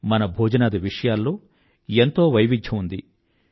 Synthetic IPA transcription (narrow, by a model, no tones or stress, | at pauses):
mɐnɐbʱoːd͡ʒɐnaːd̪ɐʋiʂɐjaːlːo̞ː | ent̪o̞ːʋɐjʋid̪ʰʱjɐmund̪i